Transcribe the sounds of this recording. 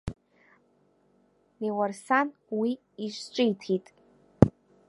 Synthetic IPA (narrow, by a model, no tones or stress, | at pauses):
newɐrsanwiː | ʃt͡ʃʷʼɪjtʰitʼ